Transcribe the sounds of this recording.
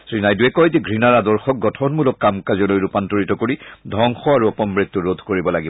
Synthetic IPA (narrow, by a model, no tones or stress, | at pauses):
sɹinajduɛkɔjziɡɹinaɹadɔɹxɔk̚ɡɔtʰɔnmulɔkːamkazɔlojɹupantoɹitɔkoɹidʱɔŋxɔaɹuɔpɔmbɹitːuɹod̪ʱkoɹibɔlaɡib